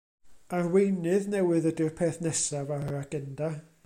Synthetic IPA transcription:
arwejnɨðnɛwɨðədɪrpʰeːθnɛsavaɾaaɡ̥ɛnda

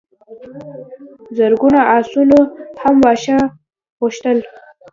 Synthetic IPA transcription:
zaɾɡunaʔɑsunohamwɑʃa | ɣʊʃt̪əl

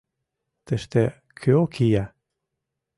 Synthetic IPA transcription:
t̪eʃt̪e | kʰøokʰijæ

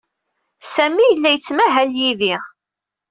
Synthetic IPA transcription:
sæmijəlːæjət͡sːmæɦæljiði

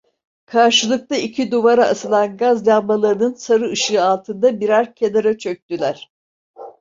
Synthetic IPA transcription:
kʰaɾʃɯlˠɯk̚t̪aicʰid̪uvaɾaːsɯlˠanɡazjalmalˠaɾɯnɯnsaɾɯɯʃɯːalˠt̪ʰɯnd̪abiɾaɾcʲʰe̞naɾat͡ʃʰø̞k̚t̪ylʲæɾ̝̥

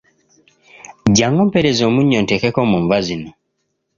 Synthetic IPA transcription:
ɟaŋɔmpɛɾɛzɔmuɲɔntɛkɛkɔmɔɱvazinɔ

